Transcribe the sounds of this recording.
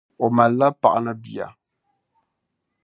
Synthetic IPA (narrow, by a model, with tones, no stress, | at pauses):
ɔ˨ma˨la˦pa̰˨ʔnə˨bi˨a̰˨